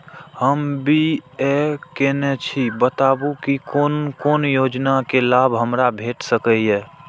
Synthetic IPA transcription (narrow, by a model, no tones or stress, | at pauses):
həmbiɛkɛnɛt͡ʃʰibət̪aːbukikonkoːnjoːd͡ʒnakelaːbɦəmɾabʱeːʈsəkəjɛː